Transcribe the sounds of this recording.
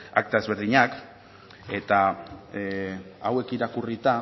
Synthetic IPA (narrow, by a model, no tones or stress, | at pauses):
a̰k̚t̪ae̞zβe̞ɾðiɲak | e̞t̪a | awe̞kiɾakurit̪a